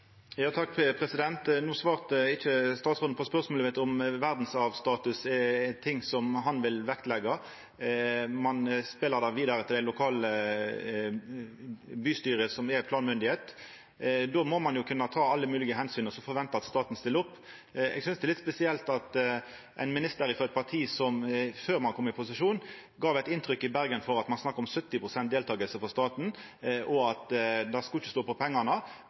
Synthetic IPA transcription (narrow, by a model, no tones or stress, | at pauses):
jɑːt̪ʰɑkːpʰʁɛsɪd̪ɛnt̪nuːsʋɑːʁt̪əɪçəst̪ɑːt̪sʁʊn̩pʰɔspœʁsmoləʋɛt̪ɔmʋæʁd̪n̩sɑʋst̪ɑːt̪ʉsɛt̪ʰɪŋːsɔmɦɑnʋɪlʋɛkt̪lɛɡːɑ | mɑnspɪlːəʁd̪æʋiːd̪ɑɾət̪ʰɪld̪æɪlʊkʰɑːlə | byːst̪yːɾəsɔmɛɾpʰlɑːnmʏnd̪ɪheːt̪ | d̪omɔmɑnjʊkʰʉnːɑt̪ʰɑːɑlːəmʉːlɪɡəɦɛnsyːnəsɔfɔɾʋɛnt̪əɾɑt̪st̪ɑːt̪n̩st̪ɪləʊpː | ɛ̰ɡsʏnsd̪ɛlɪt̪spɛsɪɛlt̪ɑt̪ | ʔæ̰ɪnmɪnɪst̪əɾɪfɔɛt̪̚pʰɑʁt̪ʰiːsɔmføːɾmɑnkʰɔmːɪpʰʊsɪʂuːn | ɡɑːʋɛɪt̪ɪnt̪ʰɾʏkːɪbæɾɡənfɔɾɑt̪mɑnsnɑkːəɾɔmsœt̪ːɪpʰɾʊsɛnt̪̚d̪eːlt̪ʰɑːɡəlsəfɔst̪ɑːt̪n̩ | ʔɔɑt̪d̪ɑskɑɪçə̥st̪oːpɔpʰɛŋːɑnə